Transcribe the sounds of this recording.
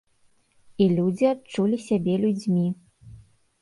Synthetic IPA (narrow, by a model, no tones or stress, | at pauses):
ilʲud͡zʲiat͡ʂulʲisʲabʲɛlʲud͡zʲmʲi